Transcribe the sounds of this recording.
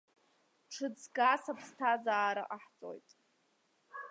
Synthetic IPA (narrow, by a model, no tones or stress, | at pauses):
ʈ͡ʂʰɨd͡zɡasapʰstʰazaːɾa̰ʔaħt͡sʼo̰jtʼ